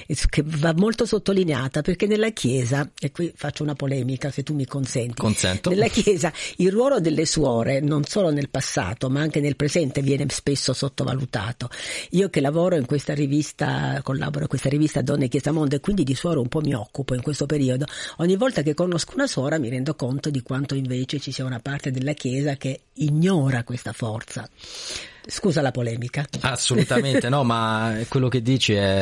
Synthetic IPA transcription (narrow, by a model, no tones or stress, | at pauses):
kʰevamːolt̪osot̪ːolineaːt̪aperkenːelːakʰjɛːzaekːwifat͡ʃːounapolɛːmikaset̪ːumːikonsɛnt̪insɛnt̪nelːak̟jɛːzailrwɔːlod̪elːeswɔːɾenonsoːlonelpasːa̰ːt̪omaaŋk̟enelpɾezɛnt̪evjɛːnespesːosot̪ːova̰lut̪a̰ːt̪oiːokelːavɔːɾoiŋkwest̪arivist̪a̰kolːa̰ːboɾoikwest̪aɾivist̪ad̪ɔnːek̟jɛːzamond̪oekwind̪id̪iswɔːɾoumpɔmːiɔkːupoiŋkwest̪opeɾiːod̪oɔɲːivːɔlt̪ak̬ekːonoskounasɔːɾamiɾɛnd̪okont̪od̪ikwant̪oiɱveːt͡ʃet͡ʃisiːaunapart̪ed̪elːakjɛːzake | iɲːɔːɾakwest̪afɔrt̪sa | skuːzalapolɛːmikaasːolut̪ament̪enɔmakwelːok̟ed̪ːiːt͡ʃiɛ